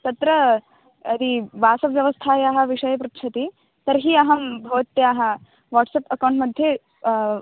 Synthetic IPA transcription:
t̪ɐt̪ɾɐ | ɐd̪iʋaːsɐʋjɐʋɐst̪ʰaːjaːɦɐ̆ʋiʂɐjɐpɾɐtt͡ʃʰɐt̪i | t̪ɐɾɦiɐɦɐmbʱoːt̪ːjaːɦɐ̆ | ʋaːʈsɐpɐkɐwɳʈmɐd̪ʱje

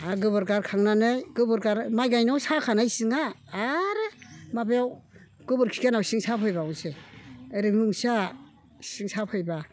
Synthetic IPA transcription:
aɡɯβɯɾɡaɾkʰaŋnanɯjɡɯbɯɾɡaɾmajɡajnɔwsakʰanajsɯŋaː | ɾɯmabejaw | ɡ̥ɯbɯɾkʰi̥kanawsiŋsapʰɯjbawseɾɯmɯŋsa | siŋsapʰɯjba

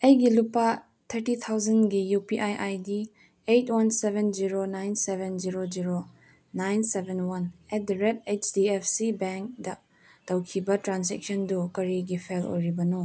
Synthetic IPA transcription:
ejɡilupa | t̪ʰɐɾtit̪ʰawzɐnɡijupiʔajʔajdi | ejtʰwɐnsebʱend͡ʒiɾonajnsebʱend͡ʒiɾod͡ʒiɾo | najnsebʱenwɐnɛd̚ɾed̚et͡ʃdiepʰsibɛŋk̚dɐ | tɐwkʰibɐtɾansɛk̚sɔndukɐɾiɡipʰelo̰jɾibɐno

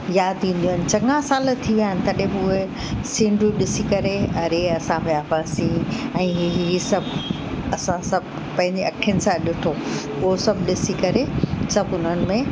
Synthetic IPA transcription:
jaːd̪ĩːn̆d̪ijunɪ̆t͡ɕɐ̃ŋãsaːlt̪ʰiʋijaːɦɪnɪt̪ɐɗɦẽbɪʊɦe | sĩːɳɖɾuɗɪsikɐɾeɐɾeɐsãbeaːfaːsĩɛ̃ːɦɦisɐbʱ | ɐsãsɐbʱ | pɐ̃ɦɪ̃ɲd͡ʑeɐkʰɪənɪ̆sãɗɪʈʰo | ʊɦosɐbʱɗɪsikɐɾesɐbʊn̤ənɪ̆mẽ

